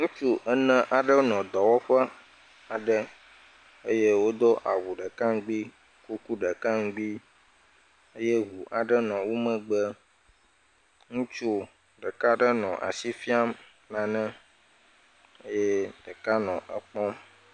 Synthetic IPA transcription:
ŋũ˦t͡ʃu˦ʔə˦nə̃˦ʔa˨ɖə˦nɔ̃˨d̪ɔ˨wɔ˦ɸə˦ | a˨ɖə˦ | e˦je˦wo˦d̪o˦ʔa˨wu˨ɖə˨ka˦ŋɡ͡bi˦ | ku˦ku˦ɖə˨ka˦ŋ˦ɡ͡bi˦ | e˦je˦ɦu˨ʔa˨ɖə˦nɔ̃˨wo˦mə̃˨ɡ͡bə˦ | ŋũ˦t͡ʃu˦ | ɖə˨ka˦ɖə˦nɔ̰̃˨ʔa̰˨si˦fi˦a˦m | nã˨nɛ̃˦ | e˦jɛ˦ɖə˨ka˦nɔ̃˨ʔə˦k͡pɔ̃˦m

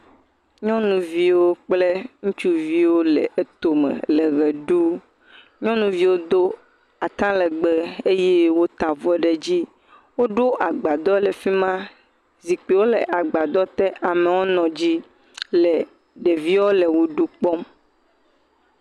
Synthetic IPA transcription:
ɲɔ̃˦nũ˨vi˦wo˦k͡ple˦ŋũ˦t͡ʃu˦vi˦wo˦lɛ̰˨ʔe˨t̪o˨mḛ̃˨le˨ɣɛ˨ɖu˦ | ɲɔ̃˦nũ˨vi˦wo˦d̪o˦ | a˨t̪ã˦lɛ˨ɡ͡be˦e˦je˦wo˦t̪a˨vɔ˦ɖe˨d͡ʑi˦ | wo˦ɖo˦ʔa˨ɡ͡ba˨d̪ɔ˦le˨fi˦mã˦ | zi˨k͡pi˨wo˦le˨ʔa˨ɡ͡ba˨d̪ɔ˦t̪ɛ˦ʔa˨me˨wo˦nɔ̃˨d͡ʑi˦ | lɛ˨ | ɖe˨vi˦wɔ˦le˨wo˦ɖu˦k͡pɔ˦m

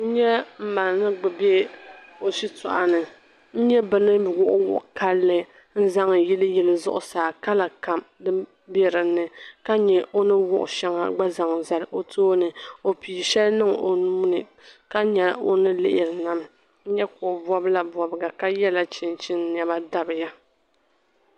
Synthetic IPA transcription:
n̩˦ɲɛ˦m̩˦ma˨n˨nɨ˦ɡ͡bɨ˨bɛ˦o˨si˦tɔ̰˨ʔa˨nɨ˨ | n̩˦ɲɛ˦bɨ˦nɨ˦bɡʊ˦ʔʊ˦wʊ̰˨ʔka˦lːɨ˨ | n̩˦za˦ŋ˨ji˦lɨ˦ji˦lɨ˨zʊ̰˦ʔʊ̰˨saː˨ka˦la˨ka˨mdɨ˦ | bɛ˦ɾɨ˨˦nɨ˨ka˦ɲɛ˨ʔo˦nɨ˦wʊ˦ʔʊ̰˨ʃɛ˦ŋa̰˨ɡ͡ba˦za˨ŋ˨za˨lɨ˨ʔo˦tʰoː˦nɨ˨o˨piː˨ʃɛ˦lnɨ˦ŋo˨nu˦m˦nɨ˨ | ka˦ɲɛ˨o̰˦nɨ˦lɪ̰˦ʔɪ˨ɾɨ˨na˨m | n̩˦ɲɛ˦kʊ˨bɔ˦bla˨bɔ˨bɨ˨˦ɡa˨ka˦jɛ˦la˦t͡ʃɪ˨nt͡ʃɪ˦n˦n˨ɛ˨ba˦da˦bɨ˨ja˦

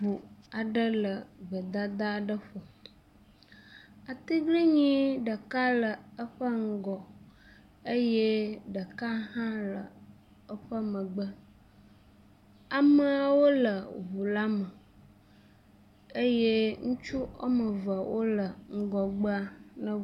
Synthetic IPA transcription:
bu˨a˨ɖə˦lə˨və˨d̪a˦d̪a˦˨ɖə˦ɸo˨ | a˨t̪i˦ɡli˦ɲĩ˦ɖə˨ka˦lə˨ə˦ɸə˦ŋ̩˦˨ɡɔ˨ | ə˦je˦ɖə˨ka˦ɦã˦lə˨ | ə˦ɸə˦mə̃˨ɡ͡bə˦ | a˨mə˨a˨wo˦lə˨βu˨la˦mə˨ | e˦je˦ŋũ˦t͡ʃu˦o̰˦mə˨və˨wʔo˦lə˨ŋ̩˦ɡɔ˨ɡ͡bə˦a˦nə̃˦

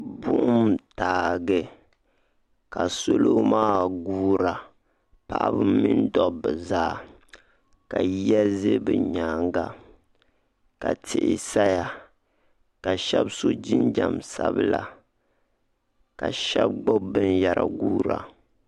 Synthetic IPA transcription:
bʊ˦ʔʊ˦mtaː˨ɡɨ˦ | ka˨so˦lo˦maː˦ɡuː˦ɾa˨ | pa˨ʔa˦bɨ˦mi˦ndɔ˦bːɨ˨zaː˦˨ | ka˨jɛ˦ze˦bɨ˨ɲaː˨ŋɡa˨ | ka˨tʰɪ˨ʔɪ˨sa˦ja˨ | ka˨ʃɛ˦bso˦d͡ʒi˦nd͡ʒa˨msa˦bɨ˦la˨ | ka˨ʃɛ˦b̚ɡ͡bɔ˦bɨ˦nja˨ɾa̰˨ɡuː˦ɾa̰˨

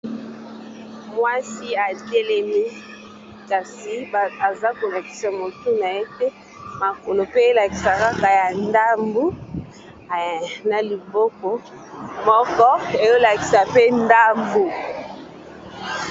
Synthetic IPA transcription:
mwa˦si˦a˨te˦lɛ˦mi˦ | ka˨si˨a˨za˦ko˨la˨ki̥˨sa˨mo˨tu˦na˨je˦tɛ˦ | ma˨ko˨lo˨pe˦e˦la˨ki˨sa˨ka˦ka˨ja˨nda˦mbu˦˨ | na˨li˨bo˦kɔ˦ | mɔ˦kɔ˦e˨jo˦la˨ki̥˨sa˨pe˦nda˦mbu˨

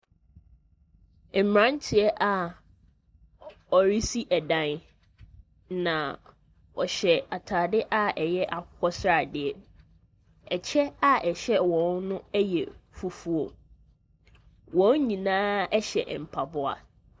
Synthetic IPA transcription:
m̩˨mɾã˦n˦t͡ɕʰɪ˨˦ɛ˦ʔa˨ | ɔ˨ɾi˦si˦ʔɛ˨dã˨n | nã˨ | ɔ˨ɕɛ˨a˨tʰaː˨dɪ˦ʔa˦ɛ˨jɛ˦ʔa˨kʊ˦kʰɔ˦sɾa˨dɪ˨ɛ˨ | ɛ˨t͡ɕʰɛ˦a˦ʔɛ˨ɕɛ˦wɔ̃˨˦nnʊ̃˦ɛ˦jɛ˨fu˨fu˦o˨ | wɔ̃˨˦n˦ɲĩ˨nãː˦ɛ˦ɕɛ̰˨ʔm̩˨pʰa˨bʊ˦a̰˨

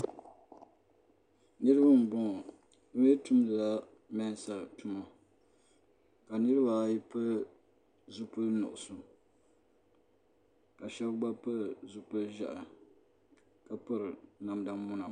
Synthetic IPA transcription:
nɨ˦ɾɨ˦ba˦m˨bɔ˦ŋ˨ | dʊ˦jɛ˦tu˦mlla˦ | mɛ˦n˦sa˨tu˦ma˨ | ka˨nɨ˦ɾɨ˦ba˨ji˦pɨ˦ | zu˦pɨ˦lnʊ̰˨ʔʊ˨sʊ˨ | ka˨ʃɛ˦bɡ͡ba˦pɨ˦˨zu˦pɨ˦lʒa̰˨ʔa˨ | ka˨pɨ˦ɾɨ˨na˨mda˦mːʊ˦na˨

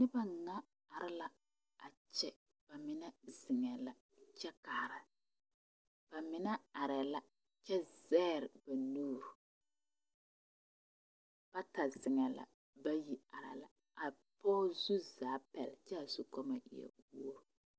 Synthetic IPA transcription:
nɪ˦ba˦ŋa˦ | a˨ɾɪ˦la˦ | a˨ | t͡ʃɛ˦ | b̥a˨mɪ˨nɛ˦z̥ɪ˨ŋɛ˨la˨ | t͡ʃɛ˦kaː˨ɾa˨ | b̥a˨mɪ˨nɛ˦a˨ɾɛ˨la˦ | t͡ʃɛ˦zɛː˦ɾɪ˨ba˨nuː˦ɾu˨ | b̥a˦ta˨zɪ˨ŋɛ˨la̰˨ | ba˦ji˦a˨ɾɛ̰˨la̰˨ | a˨ | pɔː˦zu˦zaː˨˦pɛ˨lt͡ʃɛ˦a˨zu˦kɔ˦ma˨ʔɪ̰˨ɛ̰˨wu˦o˦ɾu˨

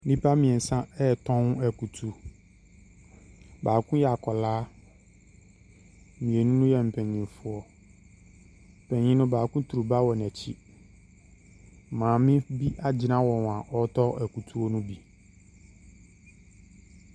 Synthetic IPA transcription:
nĩ˦pʰa˦mĩ˨ɛ˨n̩˨sã˦ɛ˦˨tʰɔ̃˦n˦æ˨ku˨tʰu˨ | baː˨kʰʊ̃˦jɛ˨a˨kʰɔ˨laː˦˨ | mĩ˨e˨nũ˦nʊ̃˦jɛ˨m̩˨pʰɛ˨ɲĩ˨fʊ˦ɔ˨ | pʰɛ̃˨ɲĩ˦nʊ̃˦baː˨kʊ̃˦tʰu˨ɾu˨ba˦wɔ˨n˨æ˨t͡ɕʰi˦˨ | mãː˨mɪ̃˦bi˦ʔa˦d͡ʑɪ˨nã˦wɔ̃˨ã˨ʔɔ˦tʰɔ˦æ˨ku˨tʰu˦ɔ˦nʊ̃˦bi˨

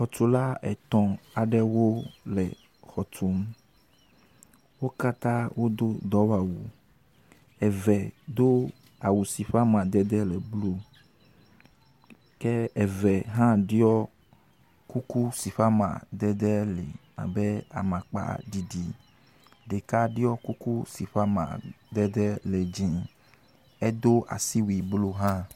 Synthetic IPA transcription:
xɔ˨t̪o˦la˦ɛ˨t̪ɔ̃˨a˨ɖɛ˦wo˦lɛ̰˨ | xɔ˨t̪o˦m˦ | wo˦ka˦t̪ã˦wʔo˦d̪o˦d̪ɔ˨˦wa˨wu˨ | ɛ˨vɛ˨d̪o˦ | a˨wu˨si˨ɸa˦mã˨d̪ɛ˦d̪ɛ˦lɛ˨blu˦ | kɛ˦ɛ˨vɛ˨ɦã˦ɖi˦ɔ˦ | ku˦ku˦si˨ɸa˦mã̰˨d̪ɛ˦d̪ɛ˦le˨mã̰˨be˦a̰˨mã˨k͡pa̰˨ɖi˨ɖi˨ | ɖe˨ka˦ɖi˦ɔ˦ku˦ku˦si˨ɸa˦mã̰˨ | d̪ɛ˦d̪ɛ˦le˨d͡ʒĩ˨ | e˦d̪o˦ʔa̰˨si˦wi˨blo˦ɦã˦

